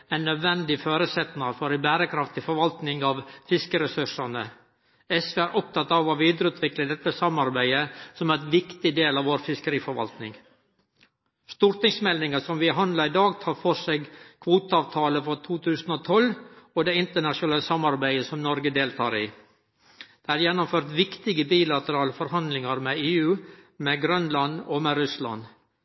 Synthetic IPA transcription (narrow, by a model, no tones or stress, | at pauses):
æɪnːœd̪ʋɛnd̪ɪføːɾəsɛt̪nɑɾfɔɾɪbæːɾəkʰɾɑft̪ʰɪlfɔɾʋɑlt̪nɪŋɑʋfɪskəɾɛsʉʂɑnə | ɛsʋeæɾʔɔp̚t̪ʰɑt̪ɑʋɔʋiːd̪əɾəʉːt̪ʰʋɪkləd̪ɛt̪ːəsɑmɑɾbæɪəsɔmæt̪ʋɪkt̪ɪd̪eːlɑʋoːɾfɪskəɾiːfɔɾʋɑ̰lt̪nɪ̰ŋ | st̪uːɾʈ̪ɪŋsmɛlnɪŋəsɔmʋɪɦɑnd̪lɑɪd̪ɑːɡt̪ʰɑːɾfɔseɡkʰʋuːt̪əɑːʋt̪ʰɑːləfɾɔt̪ʰuːt̪ʰʉːsn̩ɔt̪ʰɔlɔd̪ɛɪnt̪əɳɑʂʊnɛːləsɑmɑɾbæɪəsɔmnɔɾɡəd̪eːlt̪ʰɑːɾi | d̪̥ɛæɾjɛnːʊmføːɾt̪ʋɪkt̪ɪɡəbiːlɑt̪əɾɑːləfɔɾhɑnd̪lɪŋɑɾmɛeːʉːmɛɡɾœnlɑnɔmɛɾʉslɑ̰n